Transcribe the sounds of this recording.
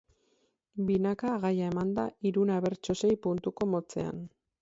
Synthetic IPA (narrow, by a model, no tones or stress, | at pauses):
binakaːɣajae̞mand̪aiɾunaβe̞ɾt͡ʃo̞se̞jpunt̪uko̞mo̞t͡se̞̰a̰n